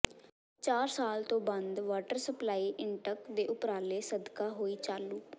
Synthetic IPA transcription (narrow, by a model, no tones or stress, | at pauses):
t͡ʃaːɾsaːlt̪õːbənd̪ʋaːʈəɾsəplaːiːʔɪɳʈəkd̪eːʔʊpɾaːleːsəd̪kaːɦoːiːt͡ʃaːlːuː